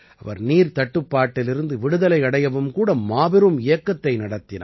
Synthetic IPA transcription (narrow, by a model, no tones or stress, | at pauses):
ɐʋɐ̰ɾniːɾt̪ɐʈːɯpːaːʈːɪlɪɾɯnd̪ɯʋɪɽɯðɐlɐɪɐɽɐjɐʋɯmkuːɽɐmaːbɪɾɯmɪjɐkːɐt̪ːɐɪnɐɽɐt̪ːɪnɐ̰